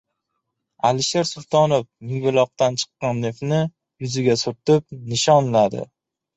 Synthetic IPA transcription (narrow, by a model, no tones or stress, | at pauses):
alɪʃeɾsʊlˠt̪ʰɒnofmɪŋvɪlˠɒq̚t̪ant͡ʃʰɨ̥qːɑnnefnɪ | jʊzɪɡʲasʊɾt̪ɪp̚nɪʃɒnlad̪ɪ̰